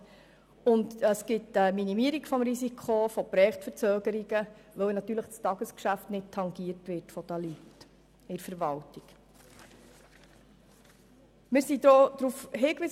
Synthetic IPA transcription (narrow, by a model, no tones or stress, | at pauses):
ʊndəsɡ̥ɪtəminimiəɾiɡ̥fɔmɾisikʰofɔpɾɛːχtfəɾt͡søːɡəɾiɡəʋœwnɑt̪ːyːɾləχstɑɡəskʃæftnɪd̥̚tʰɑŋɡiəɾtʋɪtfɔt̪ɑlit | ɪɾfəɾʋɑltik | mɪɾsidod̪̥ɾufhɪːkʋiː